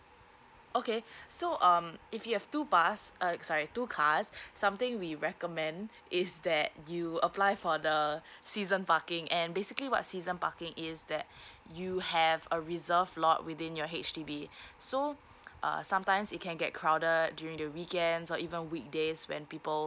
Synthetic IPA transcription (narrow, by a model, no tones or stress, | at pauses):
ʔokesoʔʌ̃mifjuhɛv̥tupasʌsɔɹitukʰasːãmt̪ɪ̃ŋwiɹɛkəmɛ̃nd | ɪsd̪ɛt̚juəplaɪfɔdəsizə̃npakɪ̃ŋʔɛ̃nbesikliwɔ̰t̚sizə̃npa̰kɪ̃ŋɪsd̪ɛt̚juhɛvəɹizəvlɔ̰twɪðɪ̃njɔɦet͡ʃtibiso | ʔʌ̰sãmtãɪ̃msɪt̚kʰɛ̃nɡɛt̚kʰɹaʊdədjuɹɪ̃ŋdəwikɛ̃ndsɔʔivə̃nwik̚deswɛ̰̃npipəl